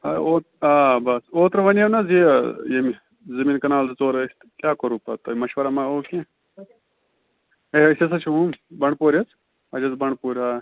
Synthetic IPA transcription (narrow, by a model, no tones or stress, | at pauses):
ɐoːt̪ | aːbɐsoːt̪ɾɐʋɐnɐʋnɐzijemi | zɐmiːnkɐnaːlzt͡soːɾɐst̪kʲjaːkɐɾuːpɐt̪ɐmɐʃʋɐɾamãoːkẽ | eɦɐsʲesɐt͡ʃʰuɦũmbɐɳɖpoːɾɐt͡s | ɐd͡ʒɐt͡sbɐɳɖpuːɾʲaː